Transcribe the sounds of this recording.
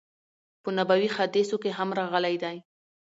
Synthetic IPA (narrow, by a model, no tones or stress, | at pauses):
pənabawixad̪esokeɦamɾɑɣəlajd̪aj